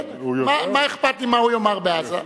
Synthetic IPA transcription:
ujmamaeχpat̪limaujomaʁbeaza

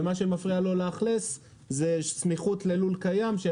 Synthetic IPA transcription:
maʃemafʁialo̞leːχles | zesmiχutlelulkajamʃe

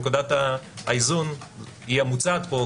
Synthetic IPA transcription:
kudat̪aaizuniamut͡saːt̪po

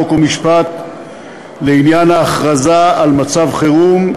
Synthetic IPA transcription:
okomiʃpat̪ | leinjanhaːχʁazaalmat͡savχeʁum

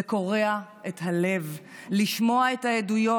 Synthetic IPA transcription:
eko̞ʁe̞aʔetɦale̞v | liʃmo̞aethaedujo̞

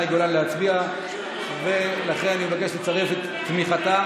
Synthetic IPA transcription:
eɡolaleɦat͡sbia | velaχe̞nanimevake̞ʃlet͡saʁefet̪tːmiχat̪a

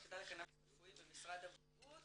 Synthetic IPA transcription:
ked̪ajlekana | fuimbemisʁad̪av | u

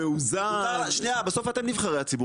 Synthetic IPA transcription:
euzaʃnejabeso̞fat̪e̞mnivχaʁehat͡sibu

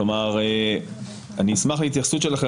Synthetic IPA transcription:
omaʁe | aniːsmaχlehit̪jaχsut̪ʃelaχe

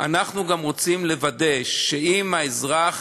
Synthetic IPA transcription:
ʔa̰naχnuɡamʁo̞t͡simle̞vade̞ʃːeimaezʁaχ

